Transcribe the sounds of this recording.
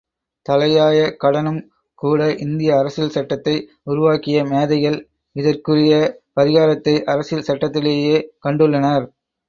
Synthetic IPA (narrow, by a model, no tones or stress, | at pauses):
t̪ɐlɐjaːjɐkɐɽɐnɯm | kuːɽɐʔɪnd̪ɪjɐːɾɐsɪlsɐʈːɐt̪ːɐɪ | ʊɾʊʋaːkɪjɐmeːðɐɣɐl | ɪðɐrkɯrɪjɐpɐɾɪɣaːɾɐt̪ːɐɪʔɐɾɐsɪlsɐʈːɐt̪ːɪleːjeːkɐɳɖɯɭːɐnɐɾ